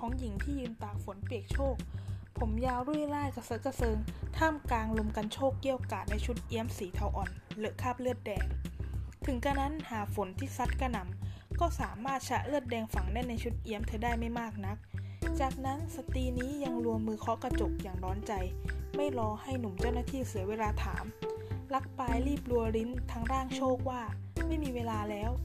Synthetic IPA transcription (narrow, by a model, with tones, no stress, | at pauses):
kʰɔː˩˦ŋji˩˦ŋt̪ʰiː˥˩jɯː˧nt̪aː˨˩k̚fo˨˩˦npi˨˩ək̚t͡ɕʰoː˥˩k̚pʰo˩˦mjaː˧wɾu˥˩əjlaː˥˩jka˧˩sɤ˦˥ka˧sɤː˧ŋt̪ʰaː˥˩mkaː˧ŋlo˧mka˧nt͡ɕʰoː˥˩kːi˥˩əwkaː˨˩t̪̚na˧jt͡ɕʰu˦˥t̪̚ʔi˦˥əmsiː˩˦t̪ʰa˧wʔɔː˨˩nlɛ˦˥kʰaː˥˩p̚lɯ˥˩t̪̚dɛː˧ŋt̪ʰɯ˩˦ŋka˧na˦˥nhaː˨˩˦fo˩˦nt̪ʰiː˥˩sa˦˥t̪̚ka˧na˩˦mkɔː˥˩saː˩˦maː˥˩t̪̚t͡ɕʰa˦˥ʔlɯ˥˩ət̪̚dɛː˧ŋfa˨˩˦ŋnɛ˥˩nːa˧jt͡ɕʰu˦˥t̪̚ʔi˦˥əmt̪ʰɯ˨˧˦daː˥˩jma˥˩jmaː˥˩k̚na˦˥k̚t͡ɕaː˨˩k̚na˦˥nsa˧t̪iː˧niː˦˥ja˧ŋɾu˧əmːɯː˧kʰɔ˦˥ka˧t͡ɕo˨˩k̚jaː˨˩ŋdɔː˦˥nt͡ɕa˧jma˥˩jɾɔː˧ha˥˩jnu˨˩˦mt͡ɕa˥˩wnaː˥˩t̪ʰiː˥˩sɯ˩˦ɐweː˧laː˧t̪ʰa̰ː˩˦mla˦˥k̚paː˧jliː˥˩p̚lu˧ɐɾi˦˥nt̪ʰaː˧ŋɾaː˥˩ŋt͡ɕʰoː˥˩k̚waː˥˩ma˥˩jmiː˧weː˧laː˧lɛː˦˥w